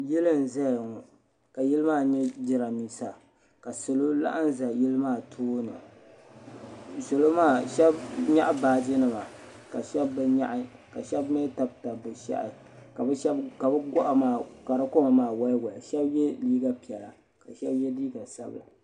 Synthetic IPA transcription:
ji˦lɨ˦n˨za˦˨ŋɔ˨ | ka˨ji˦lɨ˦maː˦˨ɲɛ˦d͡ʒɪ˨ɾa˨mi˦sa˨ | ka˨so˨lo˦la̰˦ʔa˦n˦za˨ji˦lɨ˦maː˦˨tʰoː˦nɨ̰˨ | so˨lo˦maː˦˨ʃɛ˦bɲa˦ʔbaː˨d͡ʒi˦nɨ˦ma˨ | ka˨ʃɛ˦bːɨ˦ɲa̰˦ʔka˨ʃɛ˦bme˦ta˨b̚ta˨bɨ˨ʃa̰˦ʔɪ̰˨ | ka˨bɛ˦ʃɛ˦bka˨bɨ˦ɡɔ˦ʔa˨maː˦˨ka˨ɾa˦ko˦ma˨maː˦˨wa˦jɡɔ˨a˨ʃɛ˦bjɛ˦liː˦ɡa˦pi˨ɛ˨la̰˨ | ka˨ʃɛ˦bjɛ˦diː˦ɡa˨sa̰˦bɨ̰˨la̰˨

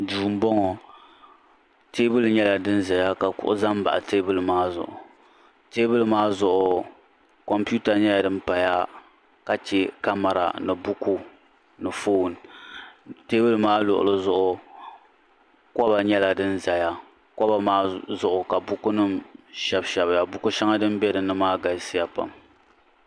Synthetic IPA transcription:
duː˨m̩˦bɔ˦ŋɔ˨ | teː˦bɨ˦lɨ˨ɲɛ˦la˨dɨ˦n˦za˨ja˦ka˨kʊ̰˦ʔʊ̰˦za˦m˦ba̰˨ʔa˨teː˦bɨ˦lɨ˨maː˦zʊ̰˨ʔʊ˨ | teː˦bɨ˦lɨ˨maː˦zʊ˨ʔʊ˨ | kɔ˨mpu˦ta˨ɲɛ˦a˨dɨ˦m̩˦pa˨ja˦ | ka˦t͡ʃɛ˦ka˦ma˨ɾa̰˨nɨ˨bu˦ku˦ | nɨ˨foː˦˨n˨ | teː˦bɨ˦lɨ˨maː˦lʊ̰˨ʔʊ̰˨lɨ˦zʊ˦ʔʊ˦ | kɔ˦ba˨ɲɛ˦la˨dɨ˦nza˨ja˦ | kɔ˦ba˨maː˦zʊ˦ʔʊ˨ka˨bʊ˦ku˦nɨ˦mʃɛ˦bʃɛ˨bja˨bʊ˦ku˦ʃɛ˦ŋa˦dɨ˦m˦bɛ˦dɨ˨nɨ˦maː˦ɡa˨sɪ˦ja˨pa̰˨m

